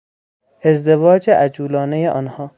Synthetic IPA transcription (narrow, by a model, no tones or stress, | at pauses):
ezd̪evɒːd͡ʒeʔæd͡ʒuːlɒːnejeʔɒːnhɒː